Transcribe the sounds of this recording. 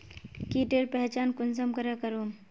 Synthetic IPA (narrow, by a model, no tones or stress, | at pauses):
kiʈeɾpɛɦt͡ʃaːnkʊnsəmkɐɾakɐɾoːm